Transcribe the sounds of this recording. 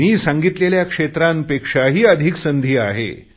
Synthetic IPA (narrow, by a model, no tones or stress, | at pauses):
miːsãŋɡit̪leljakʂet̪ɾampekʂaɦiːəd̪ʱiksənd̪ʱiːaɦḛ